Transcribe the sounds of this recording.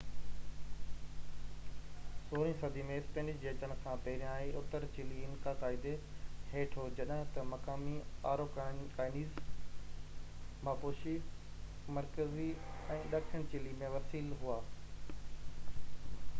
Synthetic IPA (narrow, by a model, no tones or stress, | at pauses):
soːɾĩsɐd̪ʱimẽɪspẽːɳɖɪd͡ʑd͡ʑeːt̪əñ̆kʰãpɛːɾijãːiʔʊt̪əɾt͡ɕɪliɪnkakaːɪd̪eheːʈʰod͡ʑɐɗəɦt̪ɐmɐkaːmiaːɾokaːɪniːz | maːpoːʃi | mɐɾkəziɛ̃ːɗaːkkʰənt͡ɕɪlimẽʋɐsiːlɦuaː